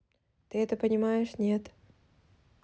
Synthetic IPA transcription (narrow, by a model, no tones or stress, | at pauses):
t̪ɨɛt̪əpənʲɪmajɪʂnʲe̞t̪